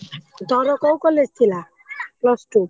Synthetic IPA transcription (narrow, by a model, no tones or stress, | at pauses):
d̪ɔɾɔkɔwkɔlest̪ʰila | plɔsʈu